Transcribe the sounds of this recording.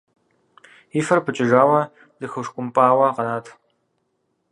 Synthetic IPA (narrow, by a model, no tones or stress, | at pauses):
ifɐrpʰɨt͡ʃʼɪʒaːwɐ | d̥ɨxɨwʂkʷʼʊmpʼaːwɐqɐnaːtʰ